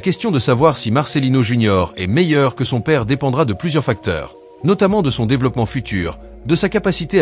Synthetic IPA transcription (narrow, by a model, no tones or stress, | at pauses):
lakʲɛst̪jɔ̃d̪əsavwaʁsimaʁselinoʒynjɔʁɛ̰mɛjœʁkəsɔ̃pɛʁd̪epɑ̃d̪ʁad̪əplyzjœʁfak̚t̪œ̰ːʁ | nɔt̪amɑ̃d̪əsɔ̃d̪evlɔpmɑ̃fyt̪ʰy̰ːʁ | d̪əsakapasit̪e